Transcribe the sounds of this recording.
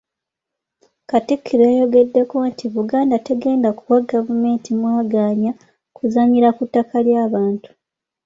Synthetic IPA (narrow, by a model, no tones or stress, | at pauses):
katikʰːiɾiajo̞ɡe̞dːe̞ko̞ntʰiβuɡaːndate̞ɡe̞ːndakuwaɡavume̞ːntʰimwaːɡaːɲa | kuzaɲiɾakutːakaljaːβaːntu̥